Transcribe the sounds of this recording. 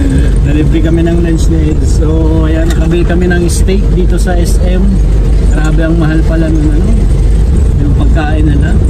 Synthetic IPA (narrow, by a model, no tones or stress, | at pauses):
d̪ɐɾɪbɾɪkɐmɛnɐŋlɛnsnɛt̪so | ʔɐjanɐkɐbikɐmɛnɐŋɪst̪ejk̪̚d̪iːt̪o̞sɐʔɛsʔɛm | ɡɾaːbɛɐŋmɐɦalpɐlanʊŋɐno̞ | jʊŋpɐɡ̚kaːʔɪnːɐla